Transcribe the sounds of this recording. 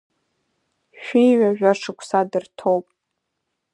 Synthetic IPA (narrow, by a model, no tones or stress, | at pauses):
ʃᶣʷijɥʷaʒᶣaʂʰɨkʷʰʼsadɨrtʰowpʼ